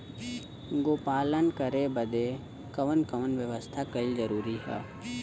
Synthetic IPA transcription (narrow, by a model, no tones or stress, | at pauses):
ɡoːpaːlənkəɾebəd̪e | kəʋənkɐʋənʋjəʋəst̪ʰakəɪlzəɾuːɾiɦɛ̰ː